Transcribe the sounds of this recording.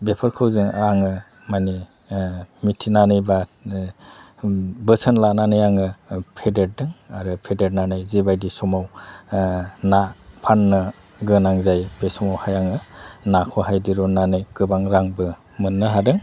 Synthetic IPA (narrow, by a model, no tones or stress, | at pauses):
bepʰɯɾkʰɯwzɯŋaŋɯ | mani | mitʰinanɯjba | bɯsənlananɯjaŋɯpʰedet̚dɯŋaɾɯpʰedet̚nanɯjzibajdisɔmaw | napʰanːɯ | ɡɯnaŋzajpesɔmawhajaŋɯnakʰɔɦajdiɾɔnanɯjɡɯbaŋɾaŋbɯ | mɯnːɯɦadɯŋ